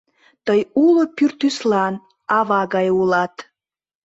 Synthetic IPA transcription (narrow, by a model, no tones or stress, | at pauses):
t̪əjulopyrt̪yslɑn | ɑβɑɣɑjulɑt̪